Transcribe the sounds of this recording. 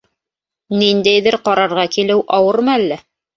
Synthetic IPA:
nind̪æjðɘɾqɑɾɑɾʁɑkilɘwʔɑwɤɾmɤælːæ

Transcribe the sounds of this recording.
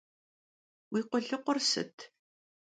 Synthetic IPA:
wiːqʷɔɮɨqʷʊrsɨ̰tʰ

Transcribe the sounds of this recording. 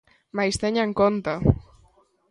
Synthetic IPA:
majst̪eɲaŋkont̪a

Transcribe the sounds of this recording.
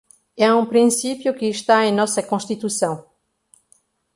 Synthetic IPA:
ɛũpɾĩsipjʊkɪːʃt̪aẽj̃nɔsɐkõʃt̪it̪usɐ̃w̃

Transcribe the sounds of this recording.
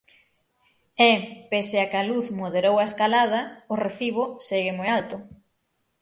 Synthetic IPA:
ɛpeseakɐluθmoðeɾowɐeskalað̞ɐoreθiβ̞oseɣɪmojalt̪ʊ

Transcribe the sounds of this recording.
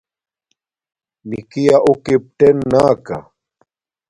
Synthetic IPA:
nikijaʔʊkip̚ʈenːaːka̰

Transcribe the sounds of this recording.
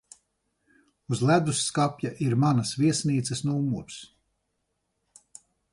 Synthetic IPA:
uzlʲæd̪usːkapʲjaʔiɾmanasviɛsniːt̪sɛsnuumuɾs

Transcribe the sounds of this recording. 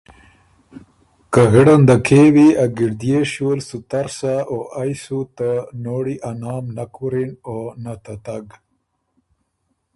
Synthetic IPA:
kaɣəɽand̪akʰewiaɡiɽd̪ijeʃuwəlsut̪aɾsaoʔajsut̪anoːɽiʔanɑːmnakuɾinonat̪at̪aɡ

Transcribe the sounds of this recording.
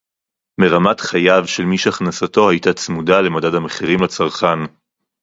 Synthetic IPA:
meʁamatχajavʃe̞lmiʃeaχnasato̞hajtat͡smudale̞madadhameχiʁimlat͡saʁχan

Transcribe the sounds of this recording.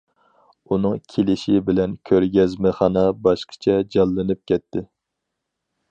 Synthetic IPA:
unɨŋkʲʰelɪʃɪbɪlɛnkʲʰøɾɡʲɛzmɨχɑnɑbɑʃqʰə̥t͡ʃʰɛd͡ʒɑlˠːɨnɨp̚kʲɛt̪ʰːɪ

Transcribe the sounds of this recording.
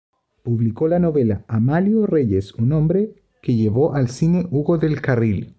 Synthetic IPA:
puβlikolanoβelaamaljoreʝesunõmbɾe | keʝeβ̞oʔalsineʔuɣoðelkaril

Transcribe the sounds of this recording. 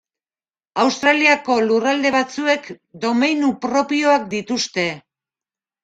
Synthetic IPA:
awst̪ɾaliako̞lurald̪e̞βat͡sue̞k | d̪o̞mejnupɾo̞pio̞ak̚d̪it̪ust̪e̞

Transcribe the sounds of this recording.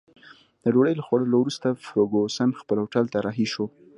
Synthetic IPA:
d̪əɖoɽəjlaxwaɽəlawɾust̪afɾoɡosanxpəlawʈalt̪aɾaɦiʃo

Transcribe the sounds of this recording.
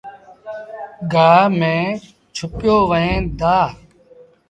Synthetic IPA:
ɡaːmẽː | t͡ʃʰʊpjoːʋəẽːd̪aː

